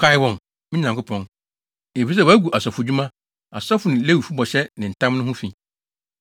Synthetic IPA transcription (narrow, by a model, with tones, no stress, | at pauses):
kʰa˦ɪ˦wɔ̃˨n | mɪ̃˦nã˨ŋkʊ˦pʰɔ̃˦n | e˨fi˦s̬ɛ˦wæ˦ɡu˨ʔa˨sɔ˨fʊ˨d͡ʑᶣu˦mã˦ | a˨sɔ˦fʊ˨nɪ̃˨le˦wi˨fu˦bɔ˨ɕɛ˦nɪ̃˨n̩˨tʰã˦mnʊ̃˦ɦʊ̃˦fĩ˨